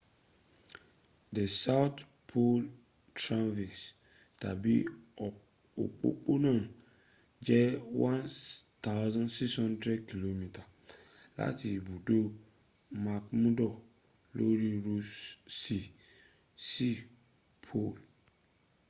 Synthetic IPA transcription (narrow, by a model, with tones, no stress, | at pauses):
dɛ˨sa˦wt | pʰo˦l | tʰɾã˦nvi˨s | tʰa̰˨bi˦˨ | o̰˨k͡po̰˨k͡po˦nã˦˨ | d͡ʒɛ˦wã˦nt̪ʰa˦ʊzɔ̃˦nsi˦kshɔ̃˦ndɾɛ˦dkʰi˨lo˦mi˨tʰa˨ | la̰˦tʰi˨bu˨do˦ | ma˨kmũ˦dɔ˨ | lo̰˦ɾi˦ɾo˦si˦ | si˦ | pʰo˦˨l